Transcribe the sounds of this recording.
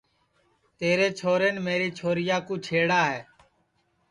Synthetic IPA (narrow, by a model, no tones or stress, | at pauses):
t̪eːɾeːt͡ʃʰoːɾeːnmeːɾiːt͡ʃʰoːɾɪjaːkuːt͡ʃʰeːɽaːɦɛː